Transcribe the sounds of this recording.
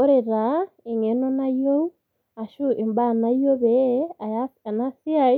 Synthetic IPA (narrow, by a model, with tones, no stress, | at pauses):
o˦ɾe˨ɾa˨i˨ŋe˨no˦na˦jo˦ | a˨ʃu˦ʔe˨mba˦˨na˦jo˦βea˨aa˨na˦si˦a˦